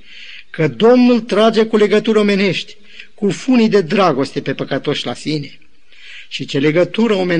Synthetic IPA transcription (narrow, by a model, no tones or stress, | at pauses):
kəd̪o̞mnult̪ɾad͡ʒe̞kule̞ɡət̪uɾʲo̞me̞ne̞ʃt̪ʲ | kufunid̪e̞d̪ɾaɡo̞st̪e̞pe̞pəkət̪o̞ʃʲlasine̞ | ʃit͡ʃe̞le̞ɡət̪uɾəo̞me̞